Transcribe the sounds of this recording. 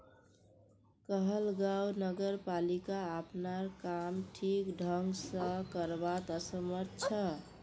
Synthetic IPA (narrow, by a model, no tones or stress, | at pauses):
kəɦəlɡawnəɡəɾpalikaəpnaɾkamʈʰikɖʱəŋɡsə̃kəɾbat̪əsəmət͡ʃʰə